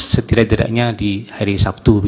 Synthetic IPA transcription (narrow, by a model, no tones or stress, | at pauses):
sət̪iɾad̪aɾa̰ʔɲadihaɾisap̚t̪ubi